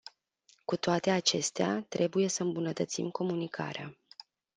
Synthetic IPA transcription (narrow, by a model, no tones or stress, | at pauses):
kut̪oat̪e̞at͡ʃe̞st̪ea̰t̪ɾʔe̞buje̞səɨmbunət̪ət̪sḭmko̞munikʰa̰ɾea